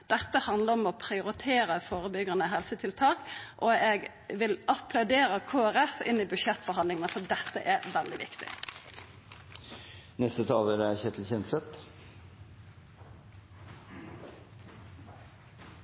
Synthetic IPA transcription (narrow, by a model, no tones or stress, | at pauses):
d̪̥ɛt̪ːəhɑnd̪ləɾɔmɔpʰɾɪʊɾɪt̪ʰeːɾəfoːʁəbʏɡəʁnəɦɛlsət̪ʰɪlt̪ʰɑːkʔɔɛɡ | ʋɪlʔɑpʰlɑʉd̪eːɾəkʰoːæɾɛfɪ̰nːɪbʉʃɛt̪ːfɔɾhɑnd̪ɪŋənəfɔd̪ɛt̪ːə̰ʔæɾʋɛld̪ɪʋɪ̰kt̪ɪ̰ | nɛst̪ət̪ʰɑːləɾæçɛt̪ʰl̩çɛnt̪sɛt̪